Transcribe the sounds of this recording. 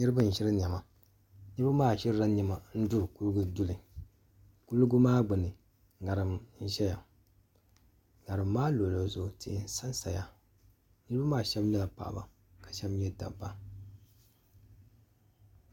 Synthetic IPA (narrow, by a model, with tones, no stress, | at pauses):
ɲi˦ɾɨ˦ba˦n̩˨ʃɪ˦ɾɨ˦ɲ˨a˨ma˨ | nɨ˦ɾba˦maː˦˨ʃɪ˦ɾɾa˦ɲi˨ma˨n̩˦du˦˨ku˦lɡu˦du˦lɨ˨ | ku˦lu˦ɡu˦maː˦ɡ͡bɨ˨nɨ˨ | ŋa˨ɾɨ˨mn̩˦ʃɛ˦ja˨ | ŋa˨ɾɨ˨mːaː˦lo˨lo˨zʊ˨ti˨n̩˦sa˦n˦sa˨ja˨ | nɨ˦ɾɨ˦ba˦maː˦ʃɛ˦bnɛ˦la˨pa̰˨ʔba̰˨ | ka˨ʃɛ˦mjɛ˦da̰˨ba˦